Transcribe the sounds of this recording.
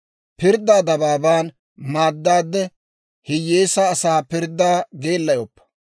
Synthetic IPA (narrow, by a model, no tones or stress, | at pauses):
pɪɾd̪ːaːd̪ɐbaːbaːn | maːd̪ːaːd̪ːɛ | hɪjːeːsaːsaːpɪɾd̪ːaːɡe̞ːlːɐjɔpːɐ̥